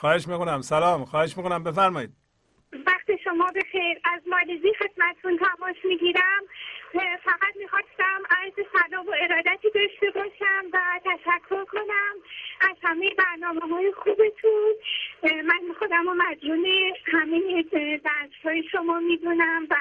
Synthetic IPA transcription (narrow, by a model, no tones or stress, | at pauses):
xɒːheʃmikonæmsælɒːmxɒːheʃmiːkʰonæmbefæɾmɒjiːd̪̚ | væxt̪iʃomɒːbe̞xejɾæzmɒleziːxe̞d̪mæt̪ʰet̪ʰunt̪ʰæmɒːsmiɡiːɾæm | fæɣæt̪mixɒːst̪æmæzsælɒːmoe̞ɾɒːd̪æt̪ʰiːd̪ɒʃt̪e̞bɒːʃæmvæt̪ʰæʃækʰːo̞ɾkʰo̞næmʔæz̥hæme̞jebæɾnɒːmːmɒːjexuːbe̞t̪ʰun | mænmixod̪æmomæd͡ʒɾuːnehæmejed̪æst̪hɒːjeʃomɒːmiːd̪unæmvæ